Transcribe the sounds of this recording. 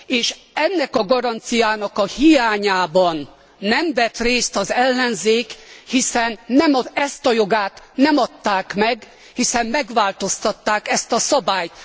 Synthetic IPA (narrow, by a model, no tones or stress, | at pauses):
eːʃ | ɛnːɛkɒɡɒɾɒnt̪sijaːnɒkɒhijaːɲaːbɒnː | ɛmvɛt̪reːst̪ɒzɛlːɛnzeːkhisɛnːɛmɒɛst̪ɒjoɡaːt̪nɛmɒt̪ːaːkmɛɡ | hisɛmːɛɡʋaːlt̪o̞st̪ɒt̪ːaːkɛst̪ɒsɒbaːjt̪